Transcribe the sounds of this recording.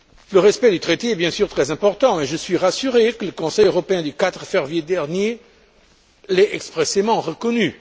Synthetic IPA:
ləʁɛspɛd̪yt̪χet̪eɛbjɛ̃syʁt̪χɛzɛ̃pɔʁt̪ɑ̃eʒəsɥiʁasyʁekələkɔ̃sɛjøʁɔpeɛ̃d̪ykat̪χəfɛʁvjed̪ɛʁnje | lɛɛkspχesemɑ̃ʁəkɔny

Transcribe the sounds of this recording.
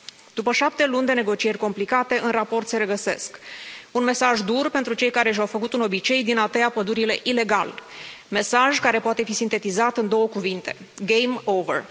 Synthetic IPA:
d̪̥upəʃap̚t̪e̞lunʲd̪e̞ne̞ɡo̞t͡ʃije̞rʲko̞mplikat̪e̞ʔɨnrapo̞rt̪se̞ɾe̞ɡəse̞skunme̞saʒd̪urpent̪ɾut͡ʃe̞jkaɾe̞ʃ̬awfəkut̪ɨno̞bit͡ʃe̞jd̪inat̪eapəd̪uɾile̞ʔile̞ɡa̰l | me̞saʒkaɾe̞poat̪e̞fisint̪e̞t̪izat̪ɨnd̪o̞wəkuvint̪e̞̥̰ | ɡejmovḛr

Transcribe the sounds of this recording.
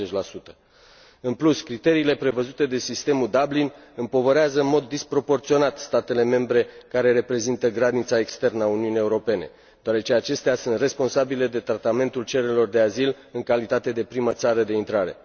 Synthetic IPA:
et͡ʃʲlasut̪ə̥ | ɨnpluskɾit̪e̞ɾiːle̞pɾe̞vəzut̪e̞d̪e̞sist̪e̞mud̪ablinɨmpo̞vəɾeazəɨnmo̞d̪ːispɾo̞po̞rt̪sio̞nat̪st̪at̪e̞le̞me̞mbɾe̞kaɾe̞ɾe̞pɾe̞zint̪əɡɾanit̪sae̞kst̪e̞rnəauniunie̞uɾo̞pe̞ne̞̰ | d̪̥oaɾe̞t͡ʃe̞at͡ʃe̞st̪easunt̪re̞spo̞nsabile̞d̪e̞t̪ɾat̪ame̞nt̪ult͡ʃe̞ɾelo̞rd̪e̞azil | ɨŋkalit̪at̪e̞d̪e̞pɾimət̪saɾəd̪eint̪ɾaɾe̞̰

